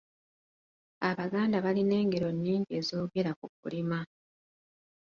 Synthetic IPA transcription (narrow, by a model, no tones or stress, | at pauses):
aβaɡaːndaβaline̞ːŋɡe̞ɾo̞nːiːŋɟe̞ːzo̞ːɡe̞ɾakukṵlima